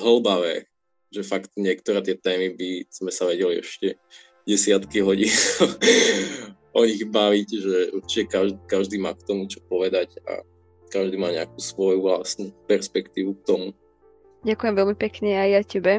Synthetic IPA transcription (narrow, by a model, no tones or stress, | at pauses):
ɦɔl̩baʋɛ | ʒɛfakt̪ɲɪɛkt̪ɔɾɛːt̪ɪɛt̪ɛːmibiz̥mɛsaʋɛɟɛliɛ̰ʃcɛ | ɟɛsɪat̪kiɦɔɟiːn | ʔɔɲiɣbaʋicʒɛuɾt͡ʃicɛkaʒd̪ikaʒd̪iːma̰ːk̚t̪ɔmut͡ʃɔ̥pɔʋɛd̪aɟa̰ | kaʒd̪iːmaːɲɛakuːsʋɔjuʋlasnupɛɾspɛkt̪iːʋuk̚t̪ɔmu | ɟakujɛmʋɛlmipɛkɲɛajjacɛbɛ